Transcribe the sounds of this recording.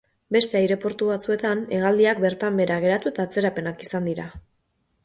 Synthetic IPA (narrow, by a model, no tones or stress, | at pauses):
be̞st̪e̞ajɾe̞po̞ɾt̪uβat͡sue̞t̪ane̞ɣ̞ald̪iak̚be̞ɾt̪ambe̞ɾaɣ̞e̞ɾat̪ue̞t̪aːt͡se̞ɾape̞nakisand̪iɾa